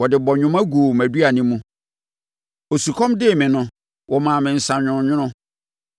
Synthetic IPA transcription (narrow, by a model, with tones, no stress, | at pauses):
wɔ˨dɪ˨bɔ˨ɲᶣʊ̃˦mã˦ɡu˨mæ˨di˦a˨nĩ˦mũ˦ | o˨su˨kʰɔ̃˦mdɪ˦˨mɪ̃˨nʊ̃˦ | wʔɔ˨mã˨mɪ̃˨n̩˨sã˨ɲᶣʊ̃˨˦ɲᶣʊ̃˦nʊ̃˦